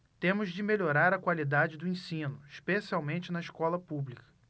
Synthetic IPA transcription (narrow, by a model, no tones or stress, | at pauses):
t̪ẽmʊzd͡ʒɪmeʎoɾaɾɐkwalid̪ad͡ʒɪd̪ʊẽsĩnʊiʃpesiawmẽt͡ʃɪnɐiʃkɔlɐpublikɐ̥